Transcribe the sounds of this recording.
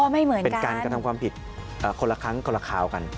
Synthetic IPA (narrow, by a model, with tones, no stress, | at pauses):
ɔ˥˧˩ma˥˩jmɯ˨˩˦npe˧kaː˧nkɾa˧t̪ʰa˧mkwaː˧mpʰi˨˩t̪̚ʔəː˨˩kʰo˧nla˧kʰa˦˥ŋkʰo˧la˧kʰaː˨˩wka˧n